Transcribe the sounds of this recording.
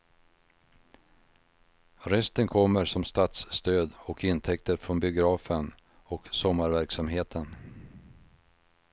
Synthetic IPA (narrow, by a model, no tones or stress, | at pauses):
ɾɛst̪ənkʰɔmːəɾʂɔmst̪at̪sːt̪øːd̪ɔkɪnt̪ʰɛk̚t̪əɾfɾɔnbɪʊɡɾɑːfən | ɔksɔmːaɾvæɾksamɦeːt̪ʰən